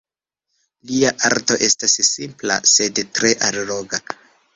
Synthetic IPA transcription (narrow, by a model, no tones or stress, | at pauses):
liaʔaɾto̞ʔe̞stassimpla̰se̞dtɾe̞ʔalɾoɡa